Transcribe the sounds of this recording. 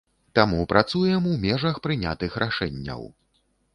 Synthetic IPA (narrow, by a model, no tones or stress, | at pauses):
t̪amupɾʔat̪sujɛmuwmʲɛʐɐxpɾɨnʲa̰t̪ɨxɾʔaʂɛnʲːɐ̰w